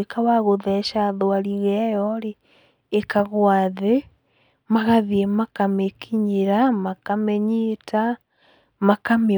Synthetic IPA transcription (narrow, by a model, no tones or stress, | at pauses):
ekawaɣoðɛʃaðoaɾiɣɛjɔɾeː | kaɣwaðe | maɣaðiemakamekʰiɲeɾamakamɛɲeta | makame